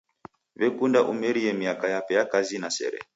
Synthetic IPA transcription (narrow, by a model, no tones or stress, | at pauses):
βɛkundaʔumɛɾiɛmiakajapɛjakazinasɛ̰ɾɛ̰